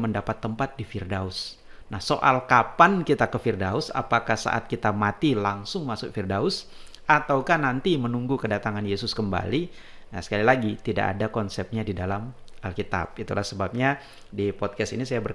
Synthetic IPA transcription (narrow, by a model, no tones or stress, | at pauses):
məndapat̪ːəmpat̪̚difɪrdaʊs | nahsoʔa̰lkapankit̪akəfirdaʊsa̰pakahsa̰ʔa̰t̪̚kit̪amat̪ilaŋsʊŋmasʊk̚firdaʊs | ʔat̪awkahnant̪imənuŋɡukədat̪aŋanjesʊskəmba̰li | nasə̥kalilaɡit̪ida̰ʔa̰dakɔnsɛp̚ɲadidalamʔalkit̪a̰p̚it̪ulasəbap̚ɲa | dipɔt̪̚kastinisajabər